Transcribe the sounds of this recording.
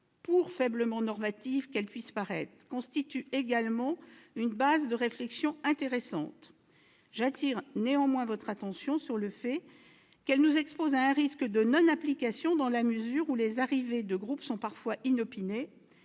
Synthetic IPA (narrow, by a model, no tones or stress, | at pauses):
puʁfɛbləmɑ̃nɔʁmat̪ivkɛlpɥispaʁɛt̪χkɔ̃st̪it̪yeɡalmɑ̃ynbazd̪əʁeflɛksjɔ̃ɛ̃t̪eʁɛsɑ̃t̪ | ʒat̪iʁneɑ̃mwɛ̃vɔt̪χat̪ɑ̃sjɔ̃syʁləfɛ | kɛlnuzɛkspozaɛ̃ʁiskəd̪ənɔ̃naplikasjɔ̃d̪ɑ̃laməzyʁulezaʁived̪əɡʁupsɔ̃paʁfwaʔinɔpine